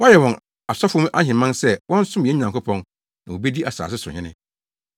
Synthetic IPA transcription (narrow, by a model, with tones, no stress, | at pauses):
wa˦jɛ˨wɔ̃˨n | a˨sɔ˦fʊ˦m˦ʔa˦ɦɪ̃˨mã˦nsɛ˦wɔ̃˦n̩˦sʊ̃˦m˨ɛ˦ɲĩ˨nã˨ŋkʊ˦pʰɔ̃˦n | nã˨wo˨bi˦di˦ʔa˨sa̰ː˨s̬ɪ˦sʊ˨ʊ̰˨ɪ̃˦nɪ̰̃˦